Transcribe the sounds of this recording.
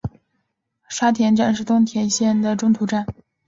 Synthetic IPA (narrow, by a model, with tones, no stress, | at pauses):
ʂa˥t̪ʰjɛ˧˥nʈ͡ʂa˥˩nʂ̬ɻ̩˥˩t̪ʊ˥ŋt̪ʰjɛ˧˥nɕjɛ˥˩nd̪ə˩ʈ͡ʂʊ˥ŋt̪ʰu˧˥ʈ͡ʂa˥˩n